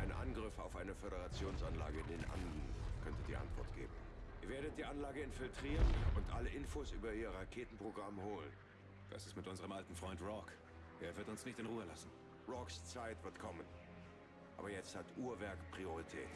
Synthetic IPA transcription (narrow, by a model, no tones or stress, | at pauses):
ʔaɪnənʔa̰nɡʁɪfa̰ʊfʔaɪnəfeɾəʁat͡sjoːnsanla̰ːɡəɪndeːnʔa̰nd̩nkʰœntədiːʔa̰ntv̥ɔ̰ɐtɡ̥ḛːbm̩ʔiːɐveːɐɾət̚d̥iːʔanlaːɡəɪnfɪltʁ̥iːʁənʊntʔa̰ləʔɪnfoːsʔyːbɐʔiːɐʁakʰeːtn̩pʁ̥oɡʁamhoːlən | d̥a̰sɪstmɪtʔʊnzəʁəmʔaltn̩fʁ̥ɔʏntʁɔk | ʔeːɐvɪɐtʊnsnɪçtɪnʁuːəlasn̩ | ʁɔkst͡saɪtv̥ɪtkʰɔmən | ʔʔa̰ːbɐjɛt͡sthatʔuːɐvɛɐkpʁ̥ioʁitʰɛ̰ːt